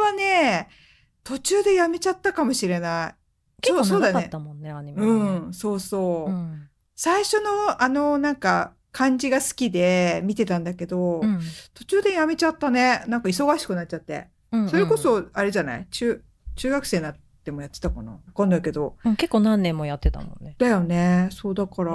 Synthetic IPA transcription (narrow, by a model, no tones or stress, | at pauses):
βane̞ | t̪o̞t͡ɕɨːd̪e̞jame̞t͡ɕat̪ːakamo̞ɕiɾe̞nai | soːso̞ːd̪anemõnːeaɲiɯ̟̃so̞ːso̞ː | saiɕo̞no̞ano̞nãŋka | kʰãɲ̟d͡ʑiɡasɨ̥kʲid̪e̞mʲit̪e̞t̪ãnd̪ake̞d̪o̞t̪o̞t͡ɕɨːd̪e̞jame̞t͡ɕat̪ːane̞nãŋkaiso̞ɡaɕi̥kɯ̟nat͡ɕ̚t͡ɕːat̪ːḛ | so̞ɾe̞ko̞so̞aɾe̞ʑana̰it͡ɕɨː | t͡ɕɨːɡakɯ̟seːnat | d̪e̞mo̞jat̪ːe̞̥t̪akona̰βakãnd̪aike̞d̪o̞ɯ̃ke̞kːoːnãnːẽmːojat̪ːet̪a̰mõ̰nːed̪ajo̞ne̞so̞ːd̪akɑɾa